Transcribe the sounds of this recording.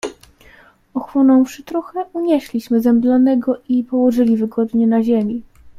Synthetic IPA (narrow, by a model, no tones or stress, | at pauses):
ɔxwɔnɔ̃w̃fʂɘt̪ɾuxɛʔuɲɛɕlʲiɕmɘzɛmblanɛɡɔʔipɔwɔʐɘlʲivɘɡɔd̪ɲɛnaʑemʲi